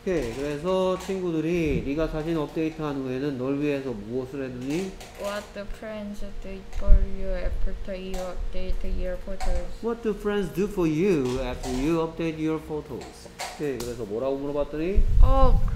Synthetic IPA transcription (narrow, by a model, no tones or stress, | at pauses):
okʰekɯɾe̞s̬ʰʌt͡ɕʰinɡudɯɾiniɡasʰaɕʰinʌp̚teitʰɦanɯnɡoɦenɯnːʌɭɥiesʰʌmuʌsʰɯɭɦedɯɲi | wʌt̚dəfɹɛ̃ndzʌd̥ufɔɹjupʰɔtʰojuʌp̚d̥etjɔɹfotʰozwʌt̚dupʰɾendsdufɔɹjuɛp̚tojuʌp̚detjoɾfotʰo̰s | okʰekɯɾe̞sʰʌmʌɾaɡomuɾʌbat̚t͈ʌɲiok